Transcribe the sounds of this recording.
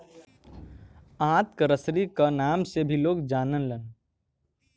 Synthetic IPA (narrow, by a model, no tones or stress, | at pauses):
ãːt̪kəɾəsɾikanaːmsebʱiloːɡd͡ʒaːnənlən